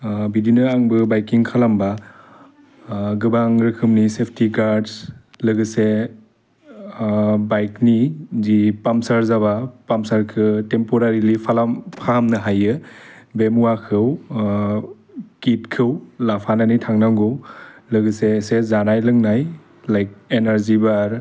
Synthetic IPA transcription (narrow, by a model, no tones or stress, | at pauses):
bidinɯaŋbɯbajkiŋkʰalamba | ɡɯbaŋɾɯkʰɯmnisepʰtiɡaɾds | lɯɡɯse | bajknizipamsaɾzaβapamsaɾkʰɯtempoɾaɾilipʰalampʰaamnɯɦajɯbemuwakʰɯw | kit̚kʰɯwlapʰananitʰaŋnaŋɡɯwlɯɡɯsesezanajlɯŋnaj | lajk̚enaɾzibaɾ